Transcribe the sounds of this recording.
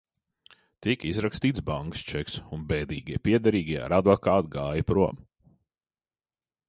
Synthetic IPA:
t̪ikizɾakst̪iːt̪sbaŋkst͡ʃɛksunbɛːd̪iːɡʲiɛpʲiɛd̪aɾiːɡʲiɛa̰ɾad̪vɔkaːt̪̚ɡaːjɐpɾuɔm

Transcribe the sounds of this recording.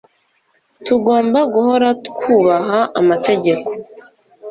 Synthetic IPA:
tuɡo̞ːmbaɡuho̞ɾakʰuːβaɦaʔamate̞ɟe̞kʰo̞̥

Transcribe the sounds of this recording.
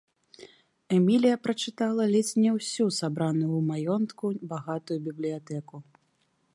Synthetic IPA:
ɛmʲilʲijɐpɾɐt͡ʂɨt̪alˠɐlʲɛt͡sʲnʲɛwsʲusabɾanujumajɔnt̪kubaɣat̪ujubʲiblʲijat̪ɛku

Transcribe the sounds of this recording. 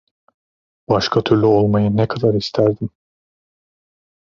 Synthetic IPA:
baʃkʰat̪ʰyɾlʲyo̞lˠmajɯnɛkʰad̪aɾist̪ʰæɾd̪im

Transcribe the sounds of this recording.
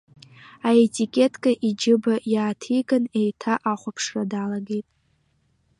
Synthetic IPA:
ae̞tʼikʲʼe̞tʰkʼaʔid͡ʒɪbajaːtʰikʼanejtʰaʔaχʷapʰʂradalaɡe̞jtʼ

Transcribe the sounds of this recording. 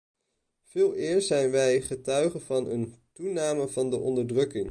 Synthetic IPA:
v̥ɪːlˠɪːɹzɛjnʋɛjχətœɥχənvɑnə̰ntunaːməvɑndəʔɔndəɹdrɵkɪŋ

